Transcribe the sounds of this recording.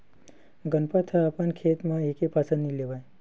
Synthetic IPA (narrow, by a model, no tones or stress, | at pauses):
ɡənpat̪ʰaapənkʰet̪mãekepasənnileʋaj